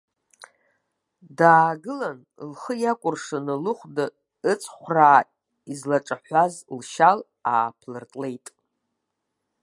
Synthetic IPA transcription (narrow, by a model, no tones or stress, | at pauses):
daːɡɨlan | lχəjakʷʼʊrʂanalɨχʷda | ɨt͡sʷʰʼχʷraː | izlaʈ͡ʂʼaħʷazlʃal | a̰ːpʰlɨrtʼle̞jtʼ